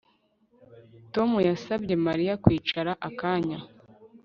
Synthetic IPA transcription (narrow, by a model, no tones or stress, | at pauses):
to̞mujasabɟe̞maɾijakwiːt͡ʃaɾaʔakaːɲa